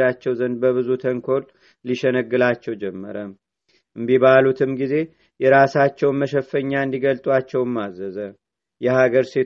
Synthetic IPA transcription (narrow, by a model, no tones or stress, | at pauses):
ɾat͡ʃːɛwzənd̪̚bəβɨzut̪ʰəŋkʰo̞l | liʃɛnəɡːɨlat͡ʃːɛwd͡ʒɛmːə̰ɾəm | ɨmbiβalut̪ʰɨmɡize̞ | jɛɾasat͡ʃːɛwməʃəfːəɲːaɨnd̪iɡəlt̪ʼwat͡ʃːɛwmːazəzə | jɛhaɡəɾse̞